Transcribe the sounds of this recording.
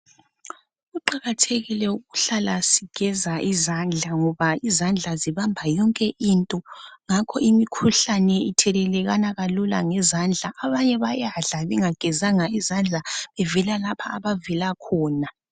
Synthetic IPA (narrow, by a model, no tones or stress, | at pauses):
ɣuǃaɣatʰeɣilɛuɣɣuɬalasiɡ̥ʱɛzaʔizand͡ɮʱaŋɔβaizand͡ɮʱaziβambʱajɔŋkʼɛʔintʼɔŋakʰɔimikʰuɬanɛitʰɛlɛlɛɣanaɣalula̰ŋɛzand͡ɮʱaʔːβaɲɛβajaɮaβɛŋaɡ̥ʱɛzaŋaizand͡ɮʱaβɛvɛlalapʰaːβavɛlakʰɔːna